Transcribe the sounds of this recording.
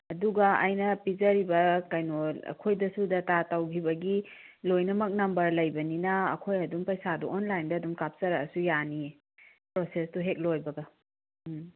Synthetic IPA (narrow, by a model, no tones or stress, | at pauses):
ɐduɡɐa̰jnɐpizɐɾibɐkajnoɐ̰kʰojdɐsudɐtatawɡʰibɐɡi | lojnɐmɐk̚nɐmbɐɾlɐjbɐninɐ̰ːkʰojɐdumpɐjsadṵʔonlajndɐɐdumkap̚sɐɾɐːsujani | pɾosestuɦek̚lojbɐɡɐ